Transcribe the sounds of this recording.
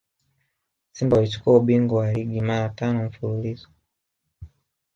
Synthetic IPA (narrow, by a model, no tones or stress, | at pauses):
simbaulit͡ʃu̥kuauɓiŋɡɔwaliɡimaɾatanɔɱ̩fululizɔ̥